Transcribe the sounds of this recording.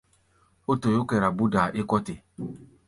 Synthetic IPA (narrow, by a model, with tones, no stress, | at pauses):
o˦to˨jo˦ke˨ɾa˨bu˦da˨ʔɪ˦kɔ˦tɪ˨